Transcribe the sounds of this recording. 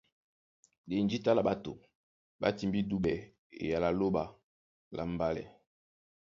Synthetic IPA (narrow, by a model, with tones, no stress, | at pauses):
de˨nd͡ʒi˦ta˦la˨ba˦to̰˨ | ba̰˦ti˨mbi˦du˦bɛ˨ | ḛ˨ja˨la˨lo˦ba˨ | lʔa̰˨mba˦lɛ̰˨